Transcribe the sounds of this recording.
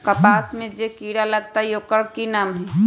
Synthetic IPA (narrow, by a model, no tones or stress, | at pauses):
kɐpaːsmẽd͡ʒekiːɽalɐɡt̪ajoːkəɽkinaːmɦɛ